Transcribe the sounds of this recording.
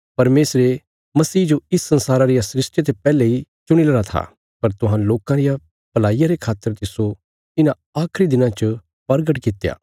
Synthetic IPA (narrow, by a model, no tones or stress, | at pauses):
pɐɾmeːsɾe | mɐsiːd͡ʒoɪsːɐ̃nsaːɾaɾɪjasɾɪsʈjet̪epɛːleit͡ʃʊɽ̃ilɐɾat̪ʰa̰ | pɐɾt̪ʊɦãloːkãɾɪja | pɐlaːijaɾekʰaːt̪ːəɾt̪ɪso | ɪnã | aːkʰɾid̪ɪnãt͡ʃə | pɐɾɡəʈkɪt̪ːja̰ː